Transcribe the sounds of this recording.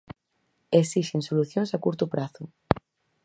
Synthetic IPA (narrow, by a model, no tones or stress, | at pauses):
esiʃeŋsoluθjõŋsakuɾt̪ʊpɾaθʊ